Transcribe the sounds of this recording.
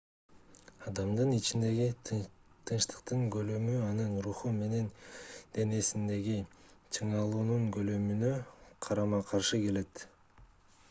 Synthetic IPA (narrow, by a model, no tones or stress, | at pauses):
ɑd̪ɑmd̪ɯnit͡ʃind̪e̞ɡit̪ʰɯnʃt̪ɯ̥qt̪ɯɴɡø̞lømyɑnɯnɾuχume̞ne̞nd̪̥e̞ne̞sind̪e̞ɡit͡ʃʰɯɴɑlˠuːnuɴɡø̞lømynø̞qʰɑɾɑmɑqʰɑɾʃɯke̞le̞t̪